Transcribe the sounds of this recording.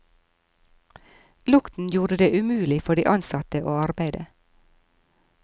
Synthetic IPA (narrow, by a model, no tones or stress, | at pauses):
lʊkt̪n̩juːɾəd̪eːʔʉmʉːlɪfɔɖḭːʔɑnsɑt̪əʔoːɑɾbæɪd̪ə